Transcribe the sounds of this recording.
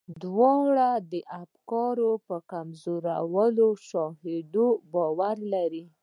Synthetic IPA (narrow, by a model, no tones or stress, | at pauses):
d̪wɑɽad̪əʔafkɑɾopəkamzoɾawəloʃɑhed̪obɑwaɾlaɾi